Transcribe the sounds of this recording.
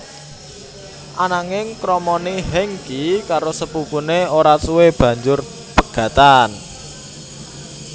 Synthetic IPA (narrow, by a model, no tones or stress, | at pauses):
ʔanaŋɪŋkɾɔmɔniɦɛŋkikaɾosəpupuneoɾasuweb̥ä̤ɲd͡ʒʊr | pəɡ̥a̤t̪an